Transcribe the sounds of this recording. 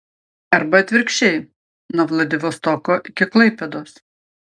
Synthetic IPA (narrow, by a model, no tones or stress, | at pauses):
ɐɾbɐɐt̪ʲʋʲɪɾʲkʃʲt͡ʃʲɛɪ | noːʋlˠɐd̪ʲɪʋʲoːst̪ɔkoːʔɪkʲɪklˠɐɪpʲed̪oːs